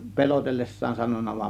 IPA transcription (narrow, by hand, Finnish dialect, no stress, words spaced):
pe̞lotelːesːɑːn sɑnonˑɑ ʋɑm